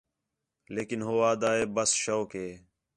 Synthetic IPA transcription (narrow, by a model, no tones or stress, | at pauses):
leːkɪnɦoːaːd̪aːeːbəsʃoːkeː